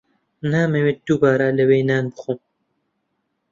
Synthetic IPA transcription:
naːmewet̪̚d̪̥ubaːɾalɐweːnaːnbɨxum

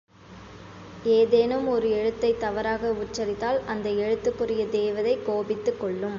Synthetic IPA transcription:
eːðeːnɯmɔɾɯɛɻɯt̪ːɐɪt̪ːɐʋɐɾaːɣɐʊʈt͡ʃːɐɾɪt̪ːaːlɐnd̪ɐɛɻɯt̪ːɯkːɯrɪjɐd̪eːʋɐðɐɪkoːbɪt̪ːɯkːɔɭːɯm

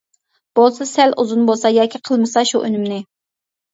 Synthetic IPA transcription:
b̥olˠsɨsælʔuzunbolˠsɑjɑːkʲʰiqʰəlˠmɨsɑʃuʔø̰nymnɪ

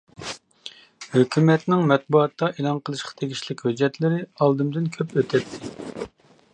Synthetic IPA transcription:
høkʲʰymɛt̪nɪŋmɛt̪̚buɑt̪ːɑʔelˠɑnqʰəlˠɨʃqʰɑ̥t̪ʰeɡʲiʃlɪkʲhød͡ʒːɛt̪lɪɾɪɑlˠd̪ɨmd̪ɪnkʲʰøpøt̪ʰɛt̪ʰːɪ

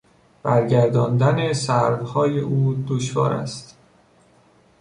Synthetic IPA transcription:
b̥æɾɟæɾd̪ɒːnd̪ænesæɾvhɒːjeʔuːd̪oʃvɒ̰ːɾæ̰st̪

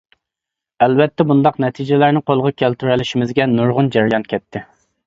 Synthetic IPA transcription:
ælvɛt̪ʰːɛbund̪ɑqnɛt̪ʰid͡ʒɪlæɾnɪqʰolˠʁɑkʲʰælt̪yɾɛlɪʃimɪzɡʲɛnuɾʁʊnd͡ʒɛɾjɑnkʲʰɛt̪ʰːɪ

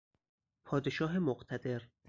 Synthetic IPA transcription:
pʰɒːd̪eʃɒːɦemoɢt̪ʰæd̪e̞ɾ

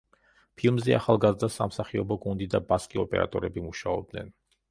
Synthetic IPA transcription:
pʰilˠmzɛa̰χalˠɡazɾd̪asamsaχiɔbɔɡund̪id̪abaskʼiɔpʼɛ̰ɾa̰t̪ʼɔɾɛbimuʃaɔb̚d̪nɛ̰n

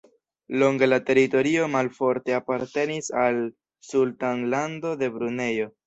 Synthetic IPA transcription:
lo̞ŋɡe̞late̞ɾito̞ɾio̞malfo̞ɾte̞apaɾte̞nisal | sultaŋlando̞de̞bɾune̞jo̞

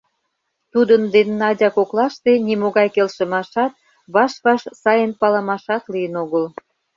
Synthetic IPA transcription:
t̪ud̪ənd̪enːɑdʲɑkoklɑʃt̪enimoɣɑjkelʃə̆mɑʃɑt̪̚ | βɑʃβɑʃsɑjənpɑləmɑʃɑt̪lijənoɣəl

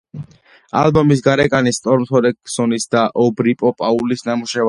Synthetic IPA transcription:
a̰lbɔmis̬ɡaɾɛkʼanist̪ʼɔɾmt̪ʰɔd̪ɛkʼsɔnisd̪aʔɔbɾipʼɔpʼaulisnamuʃɛv

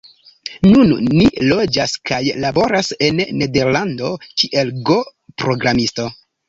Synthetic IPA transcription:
nunnilo̞d͡ʒaskajlabo̞ɾase̞nːe̞de̞ɾlando̞kiʔe̞lɡo̞pɾo̞ɡɾamisto̞

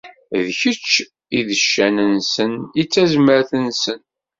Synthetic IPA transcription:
ðçət͡ʃː | iðəʃːænənsənit͡sːæzməɾθənsən

